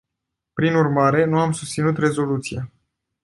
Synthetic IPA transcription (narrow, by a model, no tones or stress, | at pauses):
pɾinurmaɾe̞nuamsust̪sinut̪re̞zo̞lut̪sija